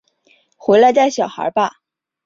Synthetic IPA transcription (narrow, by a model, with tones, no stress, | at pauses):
xwe˧˥ɪla˧˥ɪt̪a˥˩ɪɕjɑ˨˩ʊxə̰˞˧˥ba˧